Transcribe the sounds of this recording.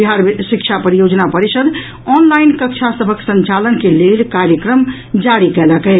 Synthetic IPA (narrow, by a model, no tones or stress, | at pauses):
biɦaɾsikt͡ʃʰapəɾijod͡ʒnapəɾisəd̪ | ɔnlainkək̚t͡ʃʰasəbʱəksə̃nt͡ʃalənkelelkaɾjəkɾəm | d͡ʒaɾikɛləkɛ